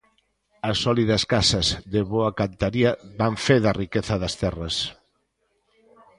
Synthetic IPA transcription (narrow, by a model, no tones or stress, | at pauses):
ɐsːɔliðɐskasɐzðeβoɐkant̪aɾiɐβaɱfeðɐrikeθɐðɐst̪ɛrɐs